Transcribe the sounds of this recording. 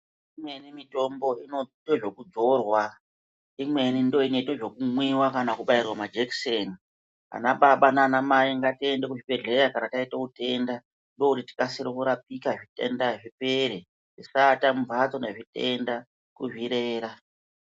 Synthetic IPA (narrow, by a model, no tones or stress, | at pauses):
imwe̞nimito̞mbo̞inotoʐo̞kud͡zo̞rwa | imwe̞nindo̞ine̞toʐo̞kumwiwakanakuɓairwamad͡ʒekseːni | a̰naɓaɓanaːnamaiŋɡate̞ndekuʐipe̞ɮeɾakanataitaute̞nda | ndo̞kutiti̥kasiɾokuɾap̚ikaʐite̞̰ndaʐipeɾe | tisatamuvat͡so̞neʐite̞nda | kuʐiɾeːɾa